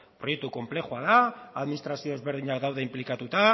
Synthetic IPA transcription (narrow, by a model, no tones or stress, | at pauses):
pɾojek̚t̪uko̞mple̞xuaðaaðminist̪ɾasio̞ezβeɾð̞iɲakd̪awðeimplikat̪ut̪a